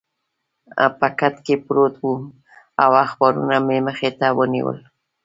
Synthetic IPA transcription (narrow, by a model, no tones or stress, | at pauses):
a̰pakat̪kepɾot̪wu | awaxbaɾṵnameməxet̪awənḭwə̰l